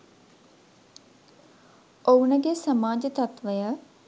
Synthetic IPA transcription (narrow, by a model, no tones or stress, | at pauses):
ownəɡesamaːd͡ʒət̪at̪ʋəjə